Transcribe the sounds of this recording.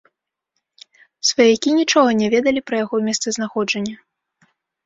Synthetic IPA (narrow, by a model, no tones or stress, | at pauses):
svajakʲinʲit͡ʂɔɣɐnʲɛvʲɛd̪ɐlʲipɾɐjaɣɔmʲɛst̪sɛznaxɔd͡ʐɐnʲːɐ